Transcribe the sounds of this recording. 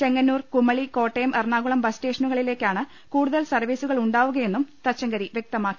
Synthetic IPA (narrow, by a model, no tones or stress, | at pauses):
t͡ɕe̞ŋːɐnːuːrkumːɐɭiko̞ːʈːejɐmʔerɳaːɣuɭɐmbɐsʈe̞ːʂɐnuɣɐɭile̞ːkːaːɳɨ | kuːɽuðɐlsɐrʋiːsuɣɐɭuɳɖaːʋuɣɐje̞nːumt̪ɐt͡ɕːɐŋɡɐɾiʋjek̚t̪ɐmaːkːi̥